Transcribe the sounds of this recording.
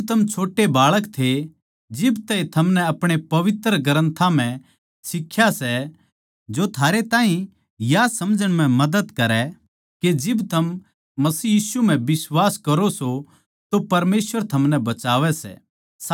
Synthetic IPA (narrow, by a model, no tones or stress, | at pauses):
t̪ʰɐmt͡ʃʰoːʈːebaːɭəkt̪ʰe | d͡ʒɪbt̪ɛit̪ʰɐmnɛɐpɽ̃epɐʋɪt̪ɾəɡɐɾə̃nt̪ʰãm̤ɛ̃ | sɪkʰːjasɛ | d͡ʒot̪ʰaːɾet̪ãːɦĩ | jasɐmd͡ʒʱəɽ̃mɛ̃mɐd̪əd̪kɐɾɛ | ked͡ʒɪbt̪ʰɐmː | ɐsiːjiːsum̤ɛ̃bɪswaːskɐɾoso | t̪opɐɾmeːsʋəɾt̪ʰɐmnɛbɐt͡ʃaːʋɛsɛ̰